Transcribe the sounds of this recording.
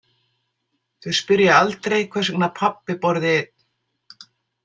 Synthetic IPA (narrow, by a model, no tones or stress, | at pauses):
θʏ̥spʏɾjaalt̪ɾejkʰvɛrsɛknapʰapːɪpɔɾðɪ̥